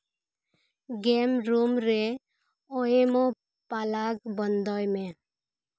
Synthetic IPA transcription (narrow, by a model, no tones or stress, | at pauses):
ɡemɾumɾe | oemo | palaɡbʌnd̪ʌjme